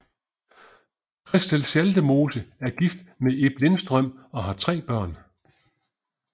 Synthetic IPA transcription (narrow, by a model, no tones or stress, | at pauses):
kʰʁɛsd̥ælsæld̥əmo̝ːsəæɐɡ̥ifd̥mee̝b̥le̝nsd̥ʁœm̰ɒ̽ɦɑ̈t͡sʰʁɛ̰ːb̥ɶɐ̰n